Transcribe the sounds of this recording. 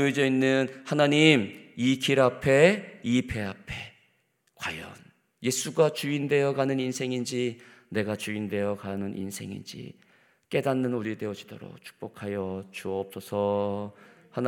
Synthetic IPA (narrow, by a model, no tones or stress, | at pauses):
id͡ʑʌinːɯnhanaɲimikʰiɾapʰe̞ipʰe̞apʰe̞ | kwajʌ̰n | je̞sʰuɡat͡ɕuinde̞jʌɡanɯninsʰe̞ŋind͡ʑine̞ɡat͡ɕuinde̞jʌkanɯnʔḭnsʰe̞ŋḭnd͡ʑḭ | k͈e̞danːɯnuɾide̞od͡ʑi̥doɾo̰k̚t͡ɕʰu̥k̚p͈okʰajʌt͡ɕuʌʌp̚s͈ʌsʰʌ | han